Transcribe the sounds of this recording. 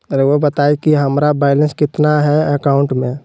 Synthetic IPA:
ɾeobət̪aːikiɦəmɾabɛːɪlə̃nskɪt̪naɦɛəkaʊ̃ɳʈmẽ

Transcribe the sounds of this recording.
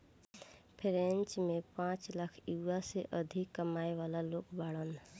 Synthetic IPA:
pʰɾẽnt͡ʃmepãt͡ʃlakʰuʋaseʔəd̪ʱikːəmaːeʋalaloːkbaɽən

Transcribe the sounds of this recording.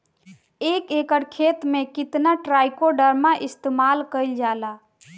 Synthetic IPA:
eːkekəɽkʰet̪mẽkɪt̪naʈɾaːjkoɖəɾmaʔɪst̪eːmaːlkəɪld͡ʒaːla

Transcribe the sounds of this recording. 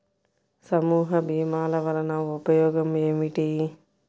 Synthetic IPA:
sɐmuːɦɐbiːmaːlɐʋɐlɐnaʋupɐjoːɡɐmemiʈiː

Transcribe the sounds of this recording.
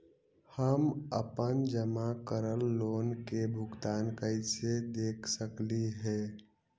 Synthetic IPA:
həmə̰pənd͡ʒəmakəɾəlːoːnkebʱʊɡt̪aːnkəɪsed̪eːkʰsəkliɦɛː

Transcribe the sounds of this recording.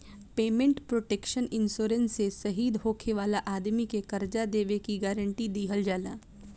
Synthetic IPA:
peːmẽɳʈpɾoːʈeːkʃənɪnsoːɾənsesɐɦiːd̪ɦoːkʰeʋaːlaʔaːd̪mikekɐɾd͡ʒad̪eːʋekiɡɛːɾə̃ɳʈid̪iːɦəld͡ʒaːlaː

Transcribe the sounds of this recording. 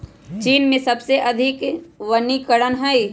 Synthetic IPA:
t͡ʃiːnmẽsɐbseʔɐd̪ʱɪkʋənikəɽənɦɛi

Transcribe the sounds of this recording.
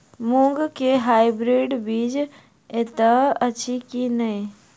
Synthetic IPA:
mũŋɡkeɦaːibɾiːɖbiːd͡ʒ | et̪əət͡ʃʰikinəi

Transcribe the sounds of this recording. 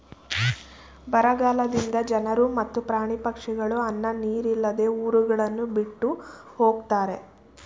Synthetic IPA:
bɐɾɐɡaːlɐd̪ind̪ɐd͡ʒɐnɐɾumɐt̪ːupɾaːɳipɐkʂiɡɐɭuɐnːɐniːɾilːɐd̪e̞ːuːɾuɡɐɭɐnːubiʈːu | ho̞ːɡt̪aːɾe̞

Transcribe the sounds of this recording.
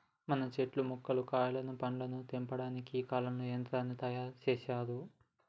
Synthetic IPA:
mɐnɐt͡ʃeʈlumukːɐlukaːjɐlɐnupɐɳlɐnut̪impɐɽaːnikiiːkaːlɐmluend̪ɾaːnːit̪ɐjaːɾt͡ʃɛːʃaːd̪u

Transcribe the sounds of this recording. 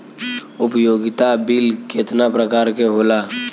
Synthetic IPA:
ʊpjoːɡɪt̪abilket̪napɾəkaːɾkeɦoːla

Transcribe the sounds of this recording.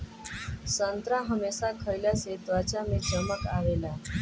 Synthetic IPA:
sənt̪ɾãɦəmesakʰəɾljaset̪ʋat͡ɕamiːd͡ʑəməkaʋela

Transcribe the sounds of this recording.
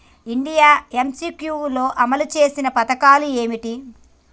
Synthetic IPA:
iɳɖijaːemsiːkjulo̞ːʔɐmɐlut͡ʃe̞ːsinɐpɐt̪ɐkaːlue̞ːmiʈi

